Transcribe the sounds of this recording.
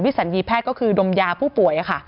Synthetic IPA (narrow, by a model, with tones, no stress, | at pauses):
wi˦˥sa˨˩˦njiː˧pʰɛː˥˩t̚kɔː˥˩kʰɯː˧do˧mjaː˧pʰuː˥˩pu˨˩əjʔa˨˩kʰa˥˩